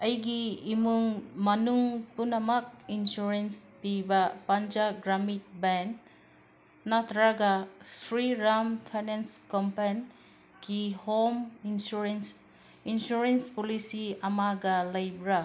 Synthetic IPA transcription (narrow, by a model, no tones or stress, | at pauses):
ɐjɡiimuŋmɐnuŋpunɐmɐk̚insuɾenspibɐpand͡ʒaɡɾamit̚ban | atɾaɡasɾiɾampʰajnenskɔmpan | ɡihominsuɾens | insuɾenspolisiɐmaɡɐlɐjbɾa